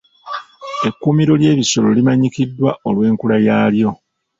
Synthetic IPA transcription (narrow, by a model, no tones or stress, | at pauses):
e̞kːumiɾo̞lje̞ːβiso̞lo̞limaɲikidːwaʔolwe̞ːŋkulajaːljo̞